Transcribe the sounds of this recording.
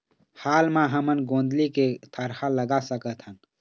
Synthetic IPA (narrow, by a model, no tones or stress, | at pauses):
haːlmãɦəmənɡõːnd̪liket̪ʰəɾhaləɡasəkət̪ʰɦən